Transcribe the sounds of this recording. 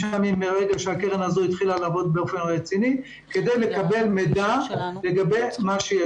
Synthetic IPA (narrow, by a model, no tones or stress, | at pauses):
amimːeʁeɡaʃeakeʁenazoit̪χilalaːvo̞d̪̚beofenaʁet͡sini | ke̞d̪ejle̞kabe̞lmedale̞ɡabe̞maʃeje